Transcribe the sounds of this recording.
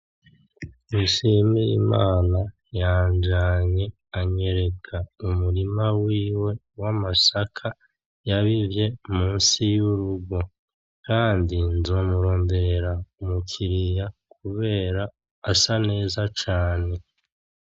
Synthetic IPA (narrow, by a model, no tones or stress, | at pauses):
niʃimijḭmaːna | jaːɲd͡ʒaɲe̞ | aɲe̞ɾe̞kʰaumuɾimawiːwe̞ | wamasakʰa | jaβivje̞muːnsijuɾuɡo̞ | kaːndinzo̞ːmuɾo̞ːmbeɾeɾaumukʰiɾijak̚uβe̞ːɾaː | sane̞ːzat͡ʃaːne̞